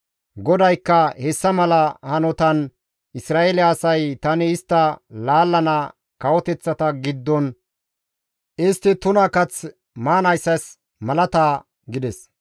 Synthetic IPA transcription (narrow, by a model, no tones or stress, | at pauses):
ɡɔd̪ɐjkːɐhɛsːɐmɐlɐhɐnɔt̪ɐn | ʔɪsɾaːelɪɐsɐjt̪ɐnɪɪst̪ːɐlaːlːɐnɐ | kɐwɔt̪ɛt͡sːɐt̪ɐɡɪd̪ːɔn | ʔɪst̪ːɪt̪ʊnɐkɐt͡s | maːnɐjsːɐs | mɐlɐt̪aː | ɡɪd̪ɛs